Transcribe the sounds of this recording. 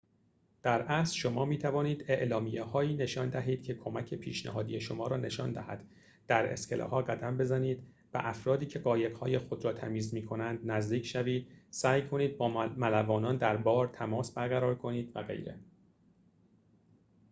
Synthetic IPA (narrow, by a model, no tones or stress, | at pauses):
d̪̥æɾʔæsʃo̞mɒːmiːt̪ʰævɒːniːd̪e̞ʔlɒːmijehɒːiːne̞ʃɒːnd̪æɦiːd̪̥̚cʰe̞kʰo̞mæcʰe̞pʰiːʃnæ̰ɦɒːd̪ije̞ʃo̞mɒːɾɒːne̞ʃɒːnd̪æhæ̰d̪̥ | d̪̥æɾḛscʰelʔɒ̰hɒːɡæd̪æmbe̞zæniːd̪ | væ̰ʔæfɾɒːd̪iːcʰe̞ɢɒːjeɣhɒːje̞xod̪ɾɒːt̪ʰæmiːzmiːkʰo̞nænd̪næzd̪iːcʰʃæviːd̪̥sæːjkʰo̞niːd̪̚bɒːmælævɒːnɒːnd̪æɾbɒːɾt̪ʰæmɒːsbæɾɣæɾɒːɾkʰo̞niːd̪væɣḛjɾe̞̰